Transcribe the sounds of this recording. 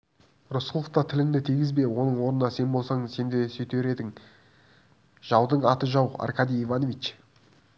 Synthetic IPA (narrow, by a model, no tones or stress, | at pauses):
rosəlˠəft̪ɑt̪ʰɪlɪŋd̪ɪt̪ʰijɡʲɪzbe̞wo̞nəɴwo̞ɾənɑse̞nbo̞lˠsɑɴəse̞nd̪esɵjt̪eɾe̞d̪ɪŋ | ʒ̥ɑwd̪əɴɑt̪əʒɑwɑ̰rkɑd̪ijivɑnovit͡ʃ